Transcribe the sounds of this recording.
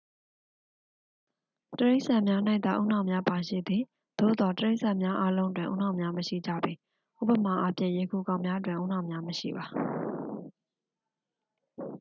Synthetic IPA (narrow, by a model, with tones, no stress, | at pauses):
təɹe˦ɪʔsã˨mja˦nã˦ɪ̃t̪a̰˦˨ʔṵ˦˨nã˨ʊ̃˨mja˦pa˨ʃḭ˦˨d̪ði˨ | d̪̥o̰˦˨d̪ɔ˨təɹe˦ɪʔsã˨mja˦ʔa˦lõ˦ʊ̃nt̬wɪ̰̃˨ʔṵ˦˨nã˨mja˦məʃḭ˦˨d͡ʑa̰˦˨bi˨ | ʔṵ˦˨pə˨ma˨ʔa˦pʰjɪ̰̃˦˨je˨kʰu˨kã˨ʊ̃mja˦ə˦t̬wɪ̃˨ʔṵ˦˨nã˨mja˦məʃḭ˦˨ba˨